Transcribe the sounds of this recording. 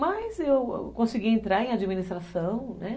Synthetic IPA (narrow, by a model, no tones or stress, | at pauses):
mɐzewkõsiɡiẽnt̪ɾaɾẽj̃ad͡ʒiminist̪ɾasɐ̃w̃nɛ